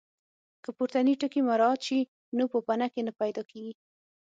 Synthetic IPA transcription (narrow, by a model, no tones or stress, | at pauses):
kəpuɾt̪aniʈəkimaɾɑt̪ʃi | nupəpanakenapajd̪ɑkeɡi